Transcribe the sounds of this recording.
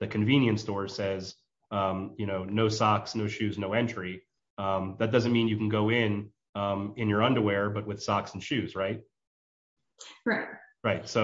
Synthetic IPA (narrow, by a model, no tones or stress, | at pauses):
ðɨkʰɨ̃ɱvĩnjɨ̃ntstɔɹsɛz | ʌ̃mjɨñoʊnoʊsɑksnoʊʃʉznoʊɛ̃nt͡ʃɹ̥i | ʌ̃mðɨt̚d̥ʌzɨ̃nmĩnjɨkn̩ɡoʊɪ̃n | ʌ̃mɪ̃njə˞ʌ̃ndə˞wɛɹbʌt̚wɨð̥sɑksn̩ʃʉzɹaɪt̚ | ɹaɪt̚ɹaɪt̚soʊ